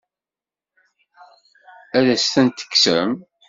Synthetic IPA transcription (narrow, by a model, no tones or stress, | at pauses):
æðæst̪ænt̪ə̥kːsə̰m